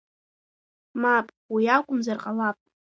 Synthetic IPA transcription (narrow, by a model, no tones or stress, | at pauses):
mapʼ | wiakʷʼʊmzarqʼalapʼ